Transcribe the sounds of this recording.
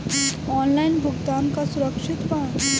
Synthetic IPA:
ɔːnlaɪnbʱʊɡt̪aːnkasʊɾəkʃɪt̪pan

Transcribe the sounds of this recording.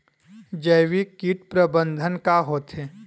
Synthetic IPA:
d͡ʒəjʋikiːʈpɾəbə̃nd̪ʱənkaɦoːt̪ɦeː

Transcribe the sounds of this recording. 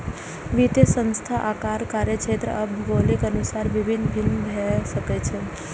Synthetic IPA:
ʋit̪esə̃nst̪ʰaʔakaɾkaɾjət͡ʃʰʃʰet̪ɾə̰ʔəbʱɡolikənusaɾʋibʱinːbʱinbʱɛsəket͡ʃʰe

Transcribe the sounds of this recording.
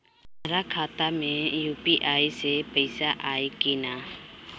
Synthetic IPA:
aɾakʰat̪amɛjupiʔajsɛpəjsaʔajkina

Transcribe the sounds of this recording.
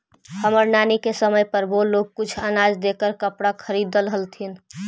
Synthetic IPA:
həməɾnanikesəməjpəɾboloɡ̚kʊt͡ʃʰənad͡ʒd̪ekəɾkəpɽakʰəɾid̪əlɦəlt̪ʰin

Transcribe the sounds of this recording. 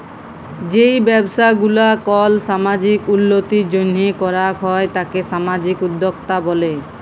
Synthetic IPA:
d͡ʑejbɛbʃaɡulakɔlʃamad͡ʑikunːot̪id͡ʑonːikɔɾakɦɔet̪akeʃamad͡ʑikud̪ʱːokt̪abɔle

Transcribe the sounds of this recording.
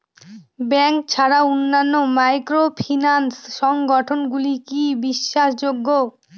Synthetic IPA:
bɛŋk̚t͡ɕʰaɾaonːanːomajkɾopʰinansʃɔŋɡɔʈʰonɡulikibiʃːaʃd͡ʑoɡːo

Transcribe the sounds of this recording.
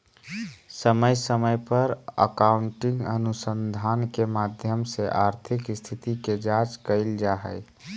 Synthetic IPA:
səməjsəməjpəɾə̰kauɳʈɪŋɡə̰nusənd̪ʱaːnkemad̪ʱjəmseʔaɾt̪ʰikst̪ʰit̪iked͡ʒat͡ʃkəɪld͡ʒaɦə̰

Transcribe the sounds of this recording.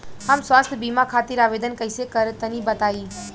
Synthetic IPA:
ɦamsʋaːst̪ʰbiːmakʰaːt̪iɾaːʋeːd̪ənkəɪsekəɾt̪ənibət̪aːiː

